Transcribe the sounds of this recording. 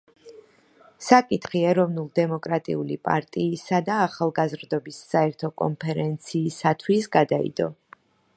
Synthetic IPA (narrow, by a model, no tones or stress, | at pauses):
sakʼit̪ʰχiɛɾɔvnulˠd̪ɛmɔkʼɾat̪ʼḭulipʼa̰ɾt̪ʼiːsad̪aːχalˠɡazɾd̪ɔbisːaɛɾt̪ʰɔkʼɔ̰npʰɛɾɛnt̪sʰiːsat̪ʰwisɡad̪aḭd̪ɔ̰